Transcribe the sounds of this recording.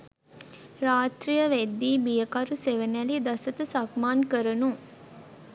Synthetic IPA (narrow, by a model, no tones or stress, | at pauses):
ɾaːt̪ɾijəʋed̪ːiːbijəkɐɾuseʋenælid̪ɐsɐt̪əsɐkmaːnkəɾənuŋ